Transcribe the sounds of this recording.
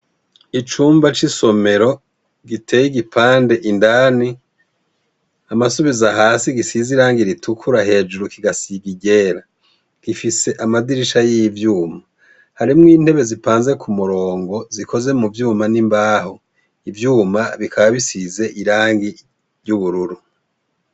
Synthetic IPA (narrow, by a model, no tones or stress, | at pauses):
it͡ʃuːmbat͡ʃiso̞me̞ɾo̞ | ɡitʰe̞ːjiɡipʰaːnde̞ʔindaːni | amasuβizaɦaːsiɡisiziɾaːŋɡiɾitʰukʰuɾaɦe̞ːd͡ʒuɾukiɡasiɡiɟe̞ːɾa | ɡ̥ifise̞ʔamadiɾiʃajijivjuːma | haɾimŋiːn̥he̞βe̞zipaːnze̞kʰumuɾo̞ːŋɡo̞ziko̞ze̞muvjuːmanimbaːho | ivjuːmaβikaβaβisize̞ʔiɾaːŋɡi | ɾjuβuɾuɾu